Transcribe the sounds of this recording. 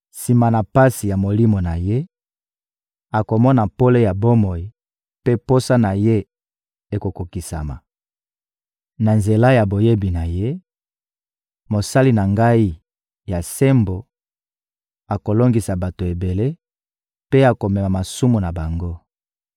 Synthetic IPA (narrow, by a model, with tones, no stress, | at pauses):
si˨ma˨na˨pa˦si˨ja˨mo˨li˦mo˨na˨je˦ | a˨ko˨mɔ˦na˨po˦le˦ja˨bo˦mo˨ji˨ | pe˦po˦sa˦na˨je˦ | e˨ko˨ko˨ki˨sa̰˨ma̰˨ | na˨nze˨la˦ja˨bo˨je˦bi˨na˨je˦ | mo˨sa˦li˦na˨ŋɡa˦i˦ | ja˨se˦mbo˨ | a˨ko˨lo˦ŋɡi˨sa˨ba˨to˨e˨be˨le˦ | pe˦a˨ko˨mɛ˨ma˨ma˨su˦mu˨na˨ba˨ŋɡo˦